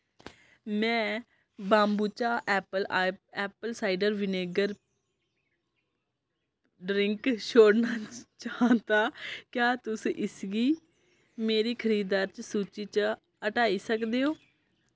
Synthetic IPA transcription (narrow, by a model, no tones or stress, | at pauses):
mɛ̃ː | bãːmbuːt͡ʃaːʔɛːpəlɛːpəlsaːiɖəɾʋɪneːɡəɾ | ɖɾɪŋkʃoːɽnaːt͡ʃaːɦt̪aːkjaːt̪ʊsiːʔɪsɡiː | meːɾiːkʰəɾiːd̪aːɾt͡ʃsuːt͡ʃiːt͡ʃ | əʈaːiːsəkd̪eːɦoː